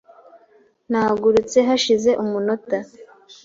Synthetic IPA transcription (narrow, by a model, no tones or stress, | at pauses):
naːɡuɾut͡se̞ɦaʃize̞ʔumunota